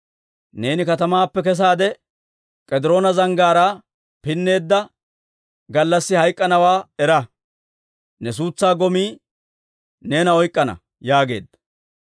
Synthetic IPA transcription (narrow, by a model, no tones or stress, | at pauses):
ne̞ːnɪkɐt̪ɐmaːpːɛkɛs̬aːd̪ɛ | kʼɛd̪ɪɾo̞ːnɐzɐŋɡaːɾa | pɪnːe̞ːd̪ːɐ | ɡɐlːɐsːɪhɐjkʼːɐnɐwaːɛɾɐ | nɛs̬uːt͡sːaːɡɔmiː | ne̞ːnɐɔjkʼːɐnɐ̰ | jaːɡe̞̰ːd̪ːɐ